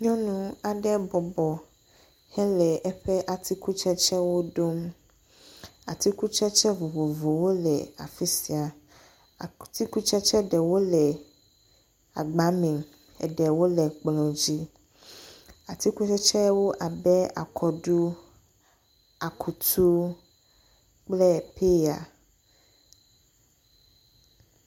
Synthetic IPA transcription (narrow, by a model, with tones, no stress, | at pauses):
ɲɔ̃˦nũ˦a˨ɖɛ˦bɔ˨bɔ˨ | hɛ̃˦lɛ˨ʔɛ˦ɸɛ˦ʔa˨t̪ʰi˦ku˦t͡ʃɛ˦t͡ʃɛ˦wo˦ɖo˦m | a˨t̪i˦ku˦t͡ʃɛ˦t͡ʃɛ˦vo˨vo˨vo˨wo˦lɛ˨a̰˨fi˦si˨a˨ | t̪i˦ku˦t͡ʃɛ˦t͡ʃɛ˦ɖɛ˨wo˦lɛ˨ | a˨ɡ͡ba˦mẽ˨ŋ | ɛ̰˨ɖɛ˨wo˦lɛ˨k͡plɔ̃˨d͡ʑi˦ | a˨t̪i˦ku˦t͡ʃɛ˦t͡ʃɛ˦wo˦ʔa˨bɛ˦a̰˨kʰɔ˨ɖu˦ | a˨kʰu˨t̪ʰu˦ | k͡plɛ˦˨pʰe˦ja̰˨